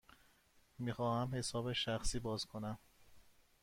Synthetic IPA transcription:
miːxɒːhæmhe̞sɒːbeʃæxsiːbɒːzkʰo̞næm

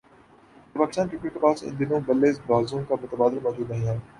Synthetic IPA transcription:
paːkɪst̪aːnkɾɪkːeʈkepaːsɪ̰̃nd̪ɪnõbɐlːeːzbaːzõkamʊt̪əbaːd̪ɪlmɔːd͡ʒuːd̪nɐɦĩːɦɛː

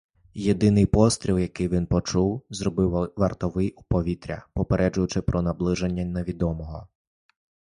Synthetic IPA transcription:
jed̪ɪnɪjpɔst̪ɾʲiwjɐkɪjʋʲinpɔt͡ʃuwzrɔbɪwʋɐrt̪ɔʋɪjupɔʋʲit̪ɾʲɐ̰pɔpeɾʔɛd͡ʒʊjʊt͡ʃɪpɾʔɔnɐblˠɪʒenʲːɐneʋʲid̪ɔmɔɦɔ

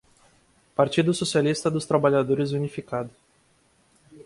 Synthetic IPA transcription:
paɾt͡ʃid̪ʊsosialist̪ɐd̪ʊst̪ɾabaʎad̪oɾɪzunifikad̪ʊ

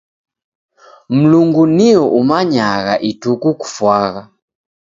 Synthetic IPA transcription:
m̩luŋɡuniɔʔumaɲaɣa̰ʔitukuku̥fwaɣa

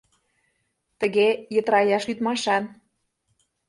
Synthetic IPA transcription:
t̪ə̆ɣejət̪ɾɑjɑʃyt̪mɑʃɑn

